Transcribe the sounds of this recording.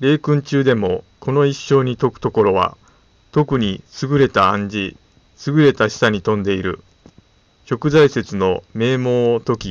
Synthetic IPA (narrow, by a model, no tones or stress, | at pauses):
ɾe̞ːkɯ̟̃ɲ̟t͡ɕɨːd̪e̞mo̞kʰo̞no̞iɕːo̞ːɲ̟it̪o̞kɯ̟̥t̪oko̞ɾo̞βa̰ | t̪o̞kɯ̟ɲ̟isɨɡɯ̟ɾe̞t̪aːãɲ̟d͡ʑi | sɨɡɯ̟ɾe̞t̪aɕi̥saɲ̟it̪õ̞nd̪e̞iɾɯ̟̰ | çʲo̞kɯ̟zaise̞t͡sɨno̞me̞ːmo̞ːt̪o̞kʲi